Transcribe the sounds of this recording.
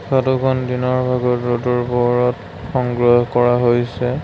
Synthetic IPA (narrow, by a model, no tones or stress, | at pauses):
katukʰɔndinɔɹbʱaɡɔtɔtuɹbɔɹɔt | xɔŋɡɹɔɦkɔɹaɦojsɛ